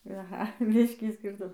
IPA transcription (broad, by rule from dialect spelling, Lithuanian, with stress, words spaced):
ɐˈɣɐ ˈbʲɪʃʲkʲiː ˈsʲkʲiːrtʊm